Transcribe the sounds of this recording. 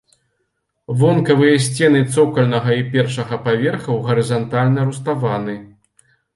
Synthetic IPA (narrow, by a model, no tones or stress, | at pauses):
vɔnkɐvɨjɐsʲt͡sʲɛnɨt̪sɔkɐlʲnɐɣɐipʲɛrʂɐɣɐpavʲɛrxɐwɣɐɾɨzant̪alʲnɐɾust̪avanɨ